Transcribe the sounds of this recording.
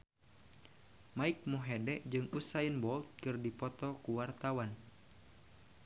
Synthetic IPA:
maik̚muɦɛdɛʔd͡ʒɨŋusainbɔlt̪̚kɨrdipɔt̪ɔkuwart̪awan

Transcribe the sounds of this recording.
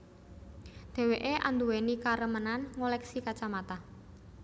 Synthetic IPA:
d̪̥ɛ̤weʔeʔa̰nd̪uwenikaɾəmənanŋolɛksikat͡ʃamat̪a

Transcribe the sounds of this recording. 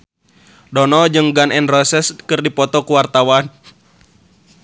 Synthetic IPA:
dɔnɔd͡ʒɨŋɡanɛnrɔsɛskɨrdipɔt̪ɔkuwart̪awan

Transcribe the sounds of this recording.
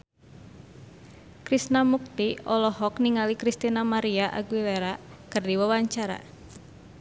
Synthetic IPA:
kɾisnamuk̚t̪iɔlɔɦɔkniŋalikɾist̪inamaɾiaʔa̰ɡwileɾakɨrdiwawaɲt͡ʃaɾa̰

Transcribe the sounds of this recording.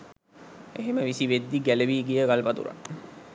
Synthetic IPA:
eɦeməʋisiʋed̪ːiɡæləʋiːɡijəɡalpat̪ṵɾa̰

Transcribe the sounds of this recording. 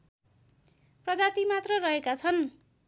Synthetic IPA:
prʌd͡zat̪imat̪rʌrʌɦekat͡sʰʌn

